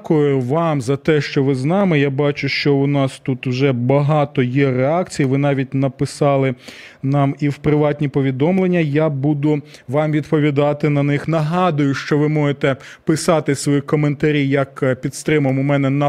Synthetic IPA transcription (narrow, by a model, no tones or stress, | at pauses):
kʊjʊʋɑmzɐt̪ɛʃt͡ʃɔʋɪznɑmɪjabɑt͡ʃʊʃt͡ʃɔʊnɑst̪ut̪ʊwʒɛbɐɦɑt̪ɔjɛreɑkt͡sʲijiʋɪnɑʋʲit̚ʲnɐpɪsɑlˠɪ | nɑmiwpɾɪʋɑtʲnʲipɔʋʲid̪ɔmlˠenʲːɐjabud̪ʊ | ʋɑmʋʲid̪pɔʋʲid̪ɑt̪ɪnɐnɪxnɐɦɑd̪ʊjʊʃt͡ʃɔʋɪmɔjet̪ɛ | pɪsɑt̪ɪsʋɔjikɔment̪ɐɾʲijɐkpʲit̪st̪ɾɪmɐmʊmɛnɛnɐ